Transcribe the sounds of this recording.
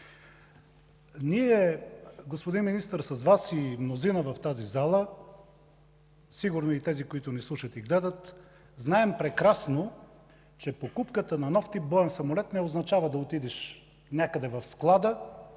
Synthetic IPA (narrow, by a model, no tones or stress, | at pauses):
niɛɡospod̪inminist̪əɾsɐzvasimnozinəvɐft̪azizalˠə | siɡʊɾnoit̪ɛzikoit̪ʊnislˠuʃət̪iɡlɛd̪ət̪ | znaɛmpɾɛkɾasno | t͡ʃɛpokupkət̪ənɐnɔft̪ip̚bɔɛnsɐmolɛt̪nɛoznɐt͡ʃavəd̪ɐot̪id̪ɛʃ | nʲjakəd̪ɛvɐfsklˠad̪ə